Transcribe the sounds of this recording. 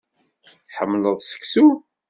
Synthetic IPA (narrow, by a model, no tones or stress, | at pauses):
θħəmːləðˤsə̥ksu